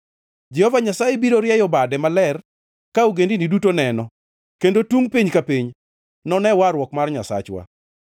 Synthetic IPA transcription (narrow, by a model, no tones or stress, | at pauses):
d͡ʒɛhɔvaɲasajebiɾoɾjɛjɔbadɛmalɛr | kauɡendinidutonɛnɔ | kendotuŋpiɲkapiɲ | nɔnɛwaɾwɔkmarɲasa̰t͡ʃwa̰